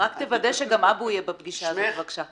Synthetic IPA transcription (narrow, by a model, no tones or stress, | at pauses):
akt̪evad̪eʃeɡamabujebabɡiʃazvaɡʃa